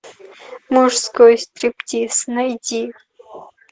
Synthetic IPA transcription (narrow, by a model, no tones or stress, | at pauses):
muʐskojst̪riptʲisnɐjdʲi